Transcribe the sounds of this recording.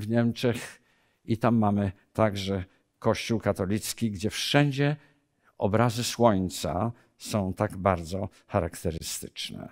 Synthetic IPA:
vɲɛmt͡ʂɛx | it̪amːamɘt̪aɡʐɛ | kɔɕt͡ɕuwkat̪ɔlʲit̪skʲiɡd͡ʑɛfʂɛɲd͡ʑɛ | ɔ̰bɾazɘswɔɲt̪sa̰ | sɔ̃w̃t̪aɡbaɾd̪zɔ | xaɾakt̪ɛɾɘst̪ɘ̥t͡ʂnɛ̰

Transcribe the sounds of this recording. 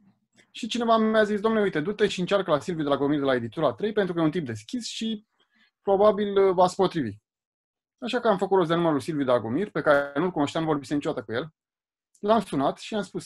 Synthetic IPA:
ʃit͡ʃine̞vamjazis̬d̪oamneujt̪e̞d̪ut̪eʃiɨnt͡ʃarkəlasilvjud̪e̞laɡomird̪elae̞d̪it̪uɾaːt̪ɾejpenɾukəjeunt̪imp̚d̪e̞skʲisʃi | pɾo̞babilvat̪sʲpo̞t̪ɾivḭ | aʃakəamfəkuɾo̞s̬zd̪e̞numəɾulsilvjud̪elaɡomirpe̞kaɾenulkuno̞ʃt̪amnuvobisent͡ʃuat̪əkujel | lamsunat̪ʃiamspus

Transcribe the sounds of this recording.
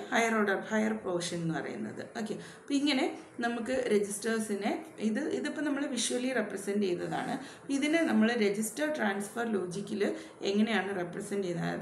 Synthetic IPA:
hɐjɐroːɽɐrhɐjɐrpɐʋʂjɐnenːɨpɐ̰rɐ̰jṵnːɐ̰ðɨ̰o̞ːkːe̞ | pːoiŋːɐne̞ | nɐmukːɨɾe̞d͡ʑistɐrsineiðɨʔiðupːonɐmːɐɭʋiʂuʋɐlːirepːrɐsenɖt͡ɕe̞junːɐða̰ːɳɨ | poiðinenɐmːɐɭɾe̞d͡ʑistɐrʈraːnsfɐrlo̞ːd͡ʑikʲːilɨ | eŋːɐne̞jaːɳɨrepːrɐsɐnɖt͡ɕejunːɐa̰

